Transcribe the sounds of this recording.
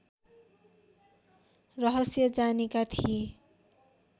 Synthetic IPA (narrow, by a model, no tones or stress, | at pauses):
rʌɦʌsjʌd͡zanekat̪ʰie